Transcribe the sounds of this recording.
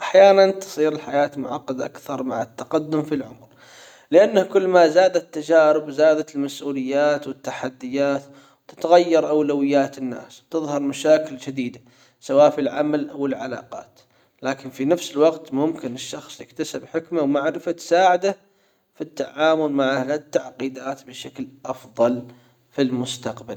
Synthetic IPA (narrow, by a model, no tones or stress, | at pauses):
ʔaħjaːnant̪ɨ̥sˤiːɾɪlħajaːt̪mʊʕɑqːɑd̪ʔa̰kθɑɾˤmaʕɪt̪ːaqad̪ːʊmfilʕʊmɾ | lɪʔanːahkʊlːmazaːd̪at̪ːad͡ʒaːɾɪbzaːd̪at̪ɪlmasʔuːlɪjːaːt̪wɪt̪ːaħad̪ːɪjːaːt̪ | wt̪ɪ̥t̪aɣajːɑɾˤʔawlawɪjːaːt̪ɪnːa̰ːswt̪ɪðˤhɑɾˤmaʃaːkɪld͡ʒad̪iːd̪a | sawaːʔfilʕamalʔawɪlʕala̰ːqɑ̰ːt̪ | laːkɪnfinafsɪlwɑqt̪mʊmkɪnɪʃːɑxsˤjɪ̰kt̪asɪbħɪkmawmaʕɾɪfat̪saːʕad̪a | fit̪ːaʕaːmʊlmaʕahat̪ːaʕqiːd̪aːt̪bɪʃaklʔɑfðˤɑl | filmʊst̪aqbal